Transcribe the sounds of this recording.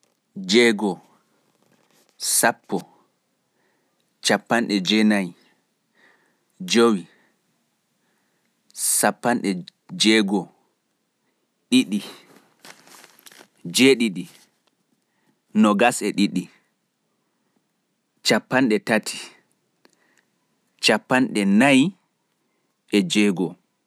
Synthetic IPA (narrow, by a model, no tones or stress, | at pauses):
d͡ʒɛɡɔ | sapːɔ | t͡ʃapːanɗɛd͡ʒɛnaj | d͡ʒowi | sapːanɗɛ | d͡ʒɛɡɔ | ɗiɗi | d͡ʒɛɗiɗi | nɔɡasɛɗiɗi | t͡ʃapːanɗɛtatʰi̥ | t͡ʃapːanɗɛnaj | ɛd͡ʒɛɡɔ